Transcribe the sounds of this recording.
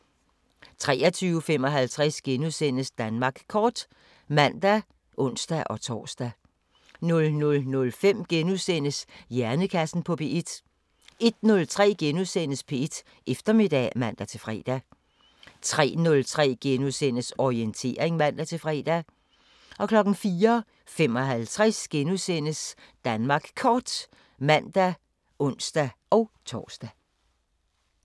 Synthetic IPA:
t͡sʰʁɛːɐt͡sʰyːʊəfem̰ɒ̽ɦælt͡sʰʁasɡ̥enuðˠsen̰əsd̥ænmɑ̈ːɡ̥kʰɒːd̥ | mæn̰d̥æ | ʔɔ̽n̰sd̥æʔɒ̽t͡sʰɒ̰ːsd̥æ | nɔ̽lnɔ̽lnɔ̽lfem̰ɡ̥enuðˠsen̰əsjæɐnəkʰæsn̩pʰɒ̽pʰe̝ʔe̝d̥ | e̝d̥nɔ̽lt͡sʰʁɛ̰ːɡ̥enuðˠsen̰əspʰee̝d̥ | ʔefd̥ɐme̝d̥ɛ̰mæn̰d̥æt͡sʰe̝fʁɛ̰ːd̥æ | t͡sʰʁɛ̰ːnɔ̽lt͡sʰʁɛ̰ːɡ̥enuðˠsen̰əsɒient͡sʰe̝̰ːɐ̰eŋmæn̰d̥æt͡sʰe̝lfʁɛːd̥æ | ɒ̽kʰlɒ̽ɡ̥n̩fiːɐ | fem̰ɒ̽ɦælt͡sʰʁasɡ̥enusen̰əs | d̥ænmɑ̈ːɡ̥kʰɒːd̥ | mæn̰d̥æ | ʔɔ̽n̰sd̥æɒ̽ʊt͡sʰɒːsd̥æ

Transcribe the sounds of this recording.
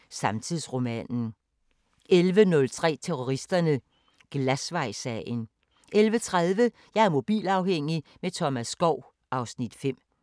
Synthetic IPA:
sɑ̈mt͡sʰiðˠsʁo̝mɛ̰ːnn̩ | elʋənɔ̽lt͡sʰʁɛ̰ːt͡sʰeʁo̝ʁisd̥ɐnə | ɡ̥læsʋɑ̈ɪ̰sɛɪn | ʔelʋət͡sʰʁað̞ˠʋə | jɑ̈ɪæɐmo̝b̥ḭːlɑ̈ʊheŋ̰imet͡sʰɒ̽mæsːɡ̥ɒʊ̰ | ɑ̈ʊsnid̥fem̰

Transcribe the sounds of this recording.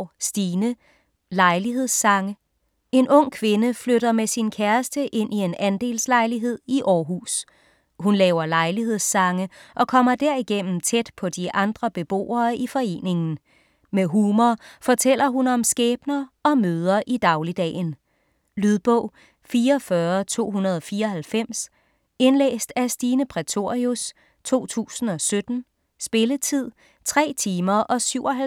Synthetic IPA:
sd̥iːnə | lɑ̈ɪliɦe̝ð̰ˠsːɑ̈ŋə | e̝nʔɔ̽ŋ̰kʰʋe̝nəfløɾ̥ɐmesinkʰæɐsd̥əʔe̝n̰ʔie̝nænd̥e̝̰ːlslɑ̈ɪliɦe̝ð̰ˠiʔɒːɦṵs | hunlɛːʊɐlɑ̈ɪlihe̝ð̞̰ˠsɑ̈ŋəʔɒ̽kʰɒ̽m̰ɐd̥æɐ̰iɡ̥en̰m̩t͡sʰed̥pʰɒ̽d̥iʔɑ̈nd̥ʁɐb̥e̝b̥o̝̰ːɐːʔifɒ̽e̝̰ːne̝ŋn̩ | meɦuːmɐfɒ̽t͡sʰel̰ɐɦunɒ̽msɡ̥ɛːb̥nɐɒ̽møːð̞ˠɐʔid̥ɑ̈ʊlid̥ɛ̰ːn | lyð̞ˠb̥ɔ̰ʊ̰ | fiːɐfɶɐt͡sʰo̝̰ːɦunɐð̞ˠɒ̽fiːɐɒ̽ɦælfem̰s | e̝nlḛːsd̥æsd̥iːnəpʰʁɛt͡sʰo̝ɐius | t͡sʰo̝̰ːt͡sʰṵːsn̩ɒ̽sød̥n̩ | sb̥e̝lət͡sʰið̞̰ˠ | t͡sʰʁɛ̰ːt͡sʰiːmɐʔɒ̽syʊ̰ɒ̽ɦæ

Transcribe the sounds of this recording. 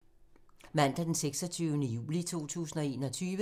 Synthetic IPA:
mæn̰d̥æd̥enseɡ̥sɒt͡sʰyːʊnəjṵːlit͡sʰo̝̰ːt͡sʰṵːsn̩ɒ̽e̝ːnɒt͡sʰyːʋə

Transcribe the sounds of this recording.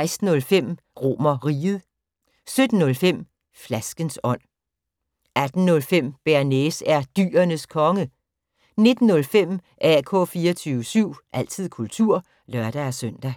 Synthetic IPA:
ɪsd̥n̩ɔ̽lfem̰ | ʁo̝̰mɐʁiːð̩ˠ | sød̥n̩ːɔ̽lfem̰ | flæsɡ̥ənsɒ̽n̰ | æd̥n̩ːɔ̽lfem̰b̥æɐnesæɐd̥y̰ːɐnəskʰɒ̽ŋə | ne̝d̥n̩ːɔ̽lfem̰ | ʔæɐkʰɔ̽fiːɐt͡sʰyːʊəsyʊ̰ʔæl̰t͡sʰið̞̰ˠkʰult͡sʰuɐ̰ | lɶɐ̰ɾ̥ææsœn̰d̥æ

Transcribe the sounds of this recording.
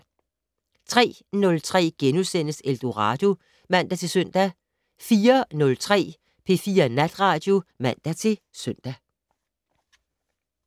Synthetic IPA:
t͡sʰʁɛ̰ː | nɔ̽lt͡sʰʁɛ̰ːɡ̥enusen̰əseld̥o̝ʁɑ̈d̥o̝ | mæn̰d̥æt͡sʰe̝lsœn̰d̥æ | fiːɐnɔ̽lt͡sʰʁɛ̰ː | pʰe̝̰ːfiːɐnæd̥ʁɑ̈ːd̥jo̝mæn̰d̥æt͡sʰe̝l | søn̰d̥æ

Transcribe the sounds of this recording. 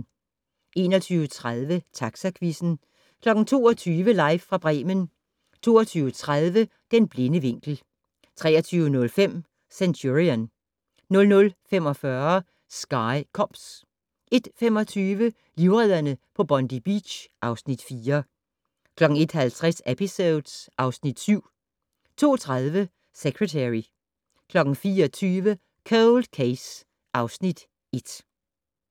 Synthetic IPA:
ʔe̝ːnɒt͡sʰyːʊət͡sʰʁaðˠʋət͡sʰɑ̈ɡ̥sækʰʋisn̩ | kʰlɒ̽ɡ̥n̩t͡sʰo̝̰ːɒt͡sʰyːʋəlɑ̈ɪʋfʁɑ̈b̥ʁɛ̰ːmən | t͡sʰo̝̰ːɐt͡sʰyːʊət͡sʰʁað̞ˠʋə | d̥enb̥le̝nəʋe̝ŋ̰ɡ̥l̩ | t͡sʰʁɛ̰ːɐt͡sʰyːʊənɔ̽lfem̰ | sænt͡sʰuʁiænː | ɔ̽lnɔ̽lfemɒ̽fɶɐ | sɡ̥ɑ̈ɪkʰɒmb̥s | ʔe̝d̥femɒ̽t͡sʰyːʋə | liʊʁɛð̰ˠɐnəpʰɒ̽b̥ɒ̽nd̥ib̥ḭ̥ɕʔɑ̈ʊsnid̥fiːɐ | kʰlɒ̽ɡ̥ŋ̩e̝d̥hælt͡sʰʁɛsepʰiso̝ðˠdsʔɑ̈ʊsnid̥syʊ̰ | t͡sʰo̝̰ːt͡sʰʁaðˠʋə | seɡ̥ʁet͡sʰæʁi | kʰlɒ̽ɡ̥n̩fiːɒt͡sʰyːʋə | kʰæld̥kʰeɪs | ʔɑ̈ʊsnid̥ | e̝d̥

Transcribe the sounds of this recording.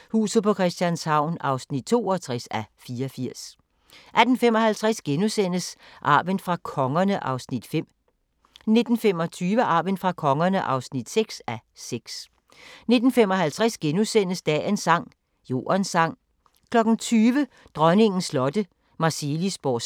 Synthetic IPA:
hṵːsð̩ˠpʰɒ̽kʰʁɛsd̥jænshɑ̈ʊ̰nɑ̈ʊsnid̥̚t͡sʰo̝ːɒt͡sʰʁasæfiːɐɒfiɐ̰s | ʔæd̥n̩femɒ̽hælt͡sʰʁasɡ̥enusen̰əsʔɑ̈ːb̥ənfʁɑ̈kʰɒ̽ŋɐnəʔɑ̈ʊsnid̥fem̰ | ne̝d̥n̩fem̰ɒ̽t͡sʰyːʋəʔɑ̈ːb̥ənfʁɑ̈kʰɒ̽ŋɐnəʔɑ̈ʊsnid̥seɡ̥sæseɡ̥s | ne̝d̥n̩fem̰ɒ̽hælt͡sʰʁasɡ̥enusen̰əsd̥ɛ̰ːensɑ̈ŋ̰ | jo̝̰ːɐnsɑ̈ŋ̰ | kʰlɒ̽ɡ̥n̩t͡sʰyːʋə | d̥ʁɶne̝ŋn̩slɒ̽d̥ə | mɑ̈selisb̥ɒ̰

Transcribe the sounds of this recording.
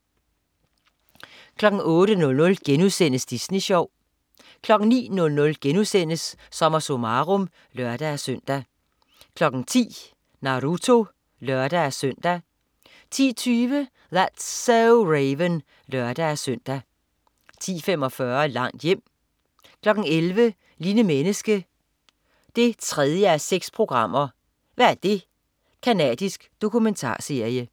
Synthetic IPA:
kʰlɒ̽ɡ̥ŋ̩ɔ̽ːɾ̥ənɔ̽lnɔ̽lɡ̥enusen̰əsd̥isniɕɒʊ̰ | kʰlɒ̽ɡ̥n̩nḭːnɔ̽lnɔ̽lɡ̥enusen̰əsː | ɒ̽mɐsomɑʁɔm | lœɐ̰d̥ææsøn̰d̥æ | kʰlɒ̽ɡ̥n̩t͡sʰḭː | nɑ̈ʁut͡sʰo̝ | lœɐd̥ææsøn̰d̥æ | t͡sʰḭːt͡sʰyːʋə | ðæd̥seʁeɪʋən | lœɐd̥ææsøn̰d̥æ | t͡sʰḭːfemɒ̽fɶɐlɑ̈ŋ̰d̥jem̰ | kʰlɒ̽ɡ̥n̩elʋə | liːnəmenəsɡ̥ə | d̥e̝t͡sʰʁɛð̞ˠjəæseɡ̥spʰʁo̝ɡ̥ʁɑ̈m̰ɐ | ʋææɐd̥e̝ | kʰænɛ̰d̥isɡ̥d̥o̝kʰument͡sʰɑ̰̈ːse̝ɐ̰jə

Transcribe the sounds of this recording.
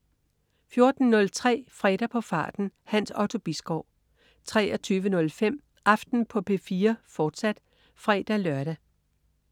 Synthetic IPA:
fjo̝ɐd̥n̩ːɔ̽lt͡sʰʁɛ̰ːfʁɛ̰d̥æpʰɒ̽fɑ̰̈ːd̥n̩hæn̰sɒʊt͡sʰo̝b̥isɡ̥ɒʊ̰ | t͡sʰʁɛ̰ːɐt͡sʰyːʋənɔ̽lfem̰ | ʔɑ̈fd̥n̩pʰɒ̽pʰe̝fiːɐfɒːd̥sæd̥ | fʁɛ̰ːd̥ælɶɐɾ̥æ

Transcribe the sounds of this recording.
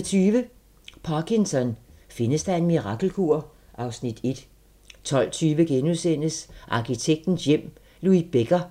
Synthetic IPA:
t͡sʰyːʋə | pʰɑkʰinsɒ̽nfe̝nəsd̥ɑ̈e̝nmiʁɑ̈ɡ̥l̩kʰuɐ̰ | ʔɑ̈ʊsnid̥e̝d̥ | t͡sʰɒ̽l̰t͡sʰyːʋəɡ̥enusen̰əsʔɑ̈kʰit͡sʰeɡ̥̚d̥n̩sjem̰ | luib̥eɡ̥ɐ

